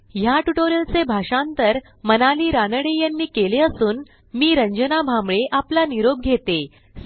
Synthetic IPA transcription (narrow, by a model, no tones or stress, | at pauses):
jaʈuʈoɾəlt͡sebʱaʂãnt̪əɾ | mənaliːɾanəɽejanːiːkeleəsuːn | miːɾəɲd͡ʑənabʱambɭeʔaplaniɾob̚ɡʱet̪e